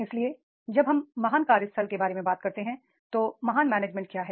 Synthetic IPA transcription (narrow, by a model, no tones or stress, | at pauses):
ɪslie | d͡ʒɐbɦɐmːɐɦaːnkaːɾɪst̪ʰəlkebaːɾemẽbaːt̪̚kɐɾt̪eɦɛ̃ | t̪oːmɐɦaːnmɛːneːd͡ʒmɛ̃ɳʈ̚kjaːɦɛː